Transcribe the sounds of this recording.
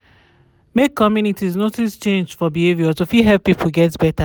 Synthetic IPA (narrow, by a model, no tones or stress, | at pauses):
mekʰːɔmjunitiznotist͡ʃẽnd͡ʒfɔbievjɔtofiɦɛlppːipʰlɡɛtsbɛtʰə